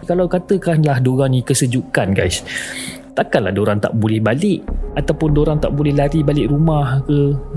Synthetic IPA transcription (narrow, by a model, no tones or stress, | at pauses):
kalawkat̪əkanlahdoɾaŋnĩkəsəd͡ʒukanɡa̰js | t̪akanla̰hdoɾaŋt̪a̰ʔbolɛhbalɪʔat̪awpʊndoɾaŋt̪aʔbolɛhlaɾibalɪʔɾumahkə